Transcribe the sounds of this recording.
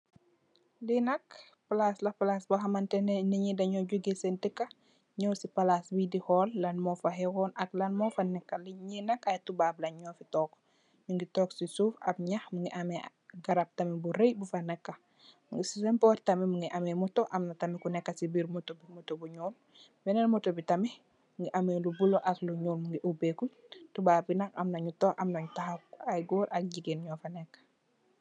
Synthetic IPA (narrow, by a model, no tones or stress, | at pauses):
linɐk | plaslɐpalasbɐɦɐmɐntɛnniɲidɐɲɔɟoɡesentikːɐ | ɲɔwsipɐlasbidihɔlːɐnmɔfɐɦɛɡɔnʔɐklɐnmɔfɐnɛkːɐliɲinɐkɐjtubablɐɲɔfitɔːk | ɲuŋɡitɔksisuːfɐ̰p̚ɲɐxmuŋɡiʔɐmɛ | ɡaɾap̚tamibuɾejbufanɛkːa | muŋɡisisempɔɾtamimuŋɡiʔamemɔtoʔamnatamikunɛkːasibiːɾmotobimotobuɲɔl | bɛnɛnmɔtobitɐmi | muŋɡiʔamelubuloʔakluɲuːlmuŋɡiʔubeku | tubaːbinakamnɐɲutɔʔamnɐɲutahakajɡoːɾʔɐk̚ɟiɡenɲɔfanɛkːḁ